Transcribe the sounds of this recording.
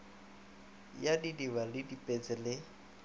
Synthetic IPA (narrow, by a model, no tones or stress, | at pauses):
jadidiβalɪdipʼet͡sʼɪlɪ